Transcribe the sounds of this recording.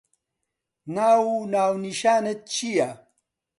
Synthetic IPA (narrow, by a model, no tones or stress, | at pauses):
naːwunaːwniʃaːnet̪̚t͡ɕija